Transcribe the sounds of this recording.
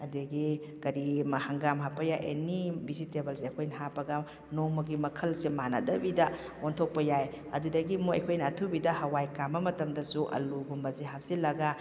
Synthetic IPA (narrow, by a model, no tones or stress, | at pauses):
ɐdeɡikɐɾimɐhaŋɡamɦapɐjaʔḛnibisitebɐlseɐkʰojnɐɦapɐɡɐ | nomɐɡimɐkʰɐlsemanɐ̰dɐbidɐ | ontʰok̚pɐjaj | ɐdudɐɡimoɐ̰jkʰojnɐːtʰubidɐhɐwajkambɐmɐtɐmdɐsuʔɐ̰luɡumbɐziɦap̚silɐɡɐ